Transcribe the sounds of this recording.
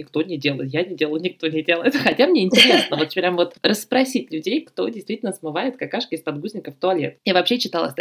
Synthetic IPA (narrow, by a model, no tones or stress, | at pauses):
ɪkt̪o̞nʲɪdʲelˠəjɪt̪janʲɪdʲeləjʊnʲɪk̚t̪o̞nʲɪdʲelˠəjɪt̪xɐtʲamnʲeɪnʲtʲɪɾʲesnəvot̪pɾʲamvo̞t̪rəspɾɐsʲitʲlʲʉdʲejkt̪o̞dʲɪjst̪vʲitʲɪlnəsmɨvajɪt̪kɐkaʂkəɪsʲpɐd̪ɡuzʲnʲɪkəft̪ʊɐlʲe̞̰javɐpɕːet͡ɕːɪt̪alˠə̰sʲt̪